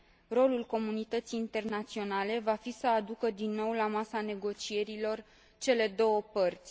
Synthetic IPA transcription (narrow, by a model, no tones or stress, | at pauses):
ro̞lulko̞munit̪ət̪siːnt̪e̞rnat̪sio̞nale̞vafisəad̪ukəd̪inːo̞wlamasane̞ɡo̞t͡ʃije̞ɾilo̞r | t͡ʃe̞le̞d̪o̞wəpərt̪sʲ